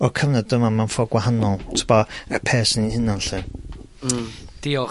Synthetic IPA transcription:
ɔkʰəvnɛdəmamanfɔɡwaɦanɔlˠtʰɪbɔɛrpʰɛːsnihɪnanɬɨ | d̪̥iɔ

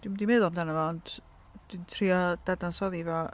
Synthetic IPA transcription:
d̥wimdimeðɔmdanəvand | d̥intʰriɔd̥adansɔðivɔ

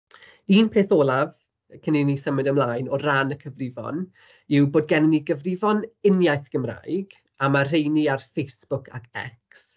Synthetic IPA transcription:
iːnpʰeːθoːlˠav | əkʰəninisəmɨdəmlˠajnɔranəkʰəvrɪvɔ̰n | ɪwboːdɡɛnɪniɡəvrɪvɔnɪnjajθɡ̥əmra̰ːjɡ̥ | amar̥ejniarfejsb̥ʊkʰa̰kʰɛ̰ks

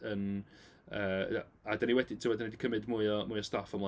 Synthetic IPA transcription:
ən | əː | adaniwɛdɪtʰɪwɔdanidikʰəmɨdmuːɨɔmuːjɔstafɔmlˠa

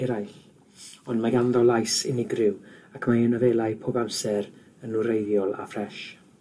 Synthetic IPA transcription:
ɛɾajɬ | ɔndmaɡanðɔlˠajsɪ̰nɪɡrɪwakʰmaənəveːlˠaɨpʰoːbamsɛɾ | ənuɾejðjɔlˠa̰frɛʃ

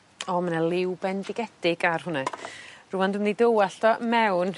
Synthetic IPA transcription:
ɔmanalˠɪwbɛndɪɡɛd̥ɪɡarhʊnɛrʊmandɪmndidowaɬdɔmɛwn

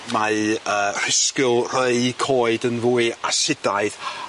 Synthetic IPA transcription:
maəːr̥ɪskɪlˠr̥əɨkʰoːɨdənvuːɨa̰sɪdaɨð

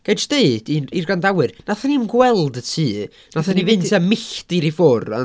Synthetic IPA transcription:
ɡ̥ed͡ʒd̥eɨd̥iirɡandawɨrnaθanimɡwɛlˠdətʰiː | naθanivɨntʰamɪɬtiɾifʊra̰

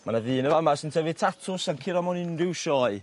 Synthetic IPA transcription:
manaðɨːnəlamasəntʰəvɪtʰatʰʊsankʰɪɾamɔnɪnrɪwʃɔɨ

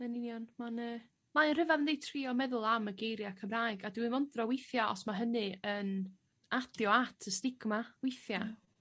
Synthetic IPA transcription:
nɛnɪnjɔnmanə | maənrəvaðəndejtʰr̥iːɔmɛðʊlˠaməɡejɾjakʰəmraːɨɡadwɨmɔndrɔwɪjθjaʔɔ̰smaɦənɨən | adjɔatʰəstɪɡ̥mawɪjθja

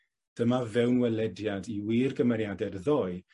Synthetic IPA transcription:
d̥əmavɛwnwɛlɛdjadiwiːrɡəmɛɾjadɛrðɔɨ

